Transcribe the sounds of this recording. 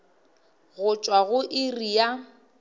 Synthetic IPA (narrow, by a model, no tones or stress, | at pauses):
ɣʊt͡ʃʼwaɣʊʔɪrija